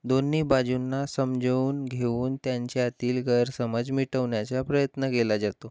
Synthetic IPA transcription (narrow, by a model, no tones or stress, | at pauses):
d̪onːiːbad͡ʑunːasəmd͡ʑʱəuːnɡʱeuːnt̪jaɲt͡ɕeat̪iːlɡəɾsəməd͡zmiʈəʋɳjat͡sapɾəjət̪nəkelad͡ʑat̪o